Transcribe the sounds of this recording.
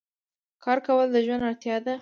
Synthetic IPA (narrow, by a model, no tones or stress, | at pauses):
kɑɾkawəld̪əʒwand̪aɽt̪jɑd̪a